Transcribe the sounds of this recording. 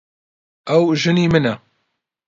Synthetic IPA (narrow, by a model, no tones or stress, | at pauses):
ɛwʒɨniːmɨnɛ